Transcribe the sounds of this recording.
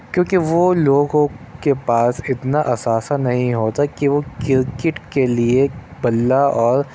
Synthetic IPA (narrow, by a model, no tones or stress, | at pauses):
kjõːkiʋoloːɡõkepaːsɪt̪naʔɐsaːsanɐɦĩɦoːt̪akiʋokɪɾkɪʈkeliebɐlːaɔːɾ